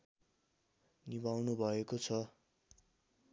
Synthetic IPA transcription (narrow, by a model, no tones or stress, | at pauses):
nibawnubʱʌekot͡sʰʌ